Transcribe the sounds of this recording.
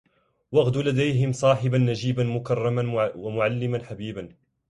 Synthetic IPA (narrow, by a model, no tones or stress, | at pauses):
waɣd̪lad̪ajɦɪmsˤɑːħɪbanːad͡ʒiːbanmʊkɑrˤːɑmanwamʊʕalːɪmanħabiːban